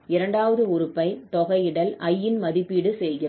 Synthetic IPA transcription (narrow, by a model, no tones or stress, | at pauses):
ɪɾɐɳɖaːʋɐðɯʊɾɯpːɐɪt̪ɔɣɐɪɪɽɐlʔɐjːɪnmɐðɪpːiːɽɯsɛjɣɪɾɐ